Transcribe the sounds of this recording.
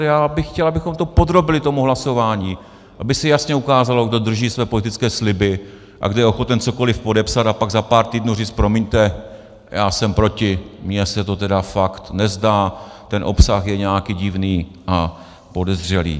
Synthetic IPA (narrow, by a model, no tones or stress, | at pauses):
jaːbɪxxcɛlabɪxo̞mt̪o̞po̞d̪ɾo̞bɪlɪt̪o̞muɦlaso̞vaːɲiː | ʔabɪsɛjasɲɛukaːzalo̞ɡdo̞d̪r̩ʒiːsvɛːpo̞lɪt̪ɪt͡skɛːslɪbɪ | ʔa̰ɡdojɛʔoxo̞t̪ɛnt͡so̞ko̞lɪfpo̞dɛpsat̪apaɡzapaːɾt̪iːdnuːriːt͡st̪pɾo̞mɪɲt̪ɛ | jaːsɛmpɾo̞cɪmɲɛsɛt̪o̞t̪ɛdafakt̪nɛzdaː | t̪ɛnʔo̞̰psaxjɛɲɛakiːɟɪvniː | ʔa | po̞dɛzr̝ɛlḭː